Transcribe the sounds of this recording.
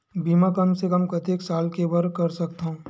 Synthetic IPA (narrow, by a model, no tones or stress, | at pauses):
biːmãkɐmsekəmkɐt̪eːksaːlkebɐɾkɐɾsɐkt̪aɦũː